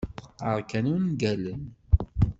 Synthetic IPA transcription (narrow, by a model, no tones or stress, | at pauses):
əqːəɾˤkænuwnɡælən